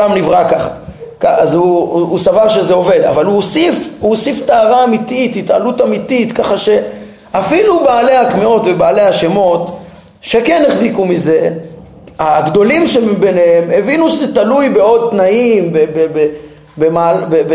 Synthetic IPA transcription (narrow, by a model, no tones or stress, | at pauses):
amnivʁakaχa̰kaazuːsavaʁʃe̞zeo̞ve̞d̪a̰valuosifuosiftaːʁaːmit̪it̪hita̰lut̪amitit̪kaχaʃe̞ | afilubaːle̞jhakmio̞t̪vebaːlehaʃe̞mo̞t̪ | ʃekeneχzikumize̞ | aɡd̪o̞limʃembeneheme̞vinuʃzetalujbe̞o̞d̪̚t̪naimbebebe | bemabeb